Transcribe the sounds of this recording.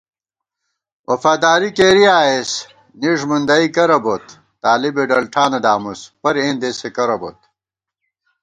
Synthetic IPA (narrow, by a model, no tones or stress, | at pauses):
wʔɐfaːd̪aːɾikeːɾiaːes | niʐmund̪ɐikɐɾɐbot̪ː | aːlibeɖɐlʈʰaːnɐd̪aːmuspɐɾẽːnd̪esekɐɾɐbo̰t̪̚